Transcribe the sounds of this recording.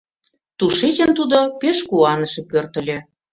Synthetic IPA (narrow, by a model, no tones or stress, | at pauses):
t̪uʃet͡ɕənt̪ud̪opeʃkuɑnəʃĕpørt̪ə̆lʲĕ